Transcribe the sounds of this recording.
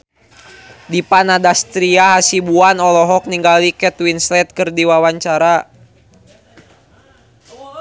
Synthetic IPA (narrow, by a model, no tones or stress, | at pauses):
dipanadast̪ɾiaɦasibuanɔlɔɦɔk̚niŋɡalikɛt̪winslɛt̪̚kərdiwawaɲt͡ʃaɾa